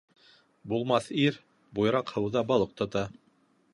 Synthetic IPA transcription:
bulˠmɑθiɾ | bujɤɾɑqhɤ̆wðɑbɑlˠɤq̚t̪ɑ̆t̪ɑ

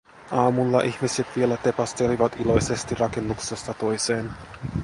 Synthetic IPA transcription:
ɑːmulːɑʔiçmiset̪ʋie̞læt̪e̞pɑst̪e̞liʋɑt̪ilo̞jse̞st̪irɑke̞nːukse̞st̪ɑt̪o̞jse̞ːn

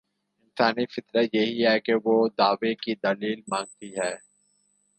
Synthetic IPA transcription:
ɪ̃nsaːnifɪt̪ɾət̪jɐɦiɦɛkeʋod̪aːʋekid̪ɐliːlmãːŋɡ̚t̪iɦɛː

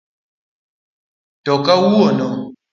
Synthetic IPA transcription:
tɔkawuɔnɔ

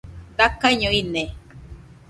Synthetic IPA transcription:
d̪akaɲõine

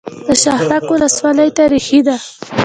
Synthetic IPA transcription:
d̪̥əʃahɾakwʊləswɑləjt̪aɾixid̪a

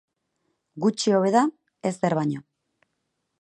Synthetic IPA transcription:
ɡut͡ʃio̞βe̞ða | e̞sdeɾβaɲo

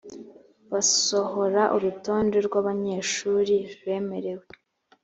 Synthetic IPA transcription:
βaso̞ho̞ɾaʔuɾuto̞ːnde̞ɾɡwaːβaɲe̞ːʃuːɾiβe̞ːme̞ɾe̞we

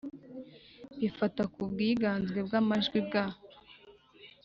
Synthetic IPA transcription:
βifatakubɡiːɡaːnzɡwe̞bɡamaʒɡwib̚ɡaːh

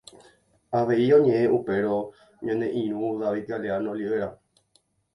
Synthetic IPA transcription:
aʋe̞iõ̞ɲẽ̞ʔẽʔupe̞ɾo̞ | ɲõnẽ̞ʔĩɾ̃ũðaʋid̪ɡaleanoliʋeɾa

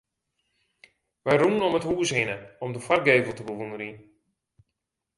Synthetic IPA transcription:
ʋɛjrumənɔməthuəsɦɪnəɔmdəfarɡeːvəlˠtəbəʋundəɾin

